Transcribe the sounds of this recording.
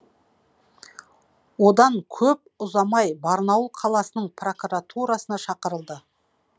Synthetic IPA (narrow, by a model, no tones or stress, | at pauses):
wo̞d̪ɑŋkʲʰɵp̚ʊzɑmɑjbɑɾnɑwlˠqʰɑlˠɑsənəɴpro̞kuɾat̪ʰuɾɑsənɑʃɑqəɾəlˠd̪ə